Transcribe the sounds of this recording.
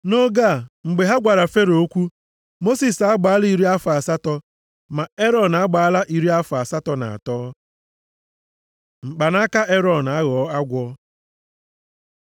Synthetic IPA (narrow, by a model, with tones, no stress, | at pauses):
no˦ɡa˦˨ŋ͡m̩˨ɡ͡be˨ɦa˦ɡʷa˨ɾa˨fe˦ɾo˨o˦kʷu˦ | mo˦si˨sa˦ɡ͡ba˨˦li˦ɾi˦a˦fa˨sa˦tɔ˦ | ma˨e˦ɾɔ˨n˨a˦ɡ͡ba˨a˦la˦ʔi˨ɾi˦a˦fa˨sa˦tɔ˦na̰˨a̰˨tɔː˦ | ŋ͡m̩˨k͡pa˨na˦ka˦ʔe˦ɾɔ˨n˨a˦ɣɔ˨˦a˦ɡʷɔ˦